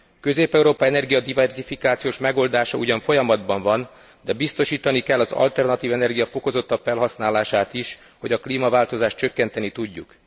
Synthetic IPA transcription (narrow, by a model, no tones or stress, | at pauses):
kø̞zeːpɛuɾoːpɒɛnɛrɡijɒd̪ivɛrzifikaːt̪sijoːʃmɛɡo̞ːld̪aːʃɒuɟɒɱfo̞jɒmɒd̪bɒɱvɒn | d̪ɛbist̪o̞ʃiːt̪ɒnikɛlːɒzɒ̰lt̪ɛrnɒt̪iːvɛnɛrɡijɒfo̞ko̞zo̞t̪ːɒpfɛlɦɒsnaːlaːʃaːt̪iʃ | ho̞ɟɒkliːmɒvaːlt̪o̞zaːʃtt͡ʃø̞kːɛnt̪ɛnit̪uɟːṵk